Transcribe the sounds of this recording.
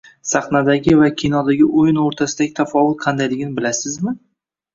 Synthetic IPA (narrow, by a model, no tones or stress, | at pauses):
sɑχnad̪aɡʲɪvakʲʰinɒd̪aɡʲɪʔʊjɪnoɾt̪ʰasɪd̪aɡʲɪt̪ʰafɒvʊt̪̚qʰɑnd̪ajlɪɡʲɪnɪbɪlasɪzmɪ